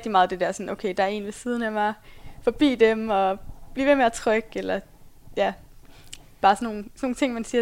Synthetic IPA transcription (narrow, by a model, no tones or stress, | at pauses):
ɡ̥̚d̥imɑ̈ːðˠd̥e̝d̥æɐsɒ̽n̩ʔoʊkʰeɪd̥ɑ̈æɐe̝̰ːnʋe̝siːð̞ˠən̩æmɑfɒ̽b̥ḭːd̥emɒ̽b̥liːʋemeæt͡sʰʁœɡ̥elɐ | jæ | b̥ɑ̈ːsɒnːo̝ːn̩sno̝ːn̩t͡sʰe̝ŋ̰mænsiːɐ